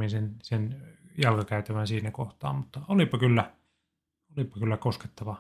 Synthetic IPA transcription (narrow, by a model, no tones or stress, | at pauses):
insensenjɑlkɑkæyt̪æʋænsiːnækoht̪ɑ̰ːmmut̪ːɑolipɑkylːæ | olipɑkylːækoske̥t̪ːɑʋɑ